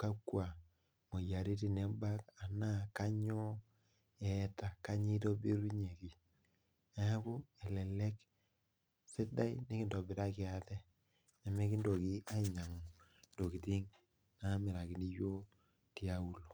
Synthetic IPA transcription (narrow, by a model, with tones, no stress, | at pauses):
ka˦kːwa˨ | mo˨ja˨ɾe˦t̬i˨nɛ˨˦ba˦ka˨na˦ka˦ɲɔ˦ | ɛ˨˦ta˨ka˦ɲi˦to˦be˦ɾu˦ɲe˨ki˨ | a˨a˦ko˦ɛ˨lɛ˨lɛ˦k | sɪ˦da˦i˦nɪ˦kɪ˨ndo˨bɪ˨ta˦kɪ˨a˨tɛ˦ | ne˨me˦ki˦ndo˨ki˦a˦i˨ɲa˨ŋo˨ | nd̥o˨ki˨ti˦ŋ | na˦mɪ˨ɾa˨ki˨ni˦jo˦ | ti˦a˦u˦lo˨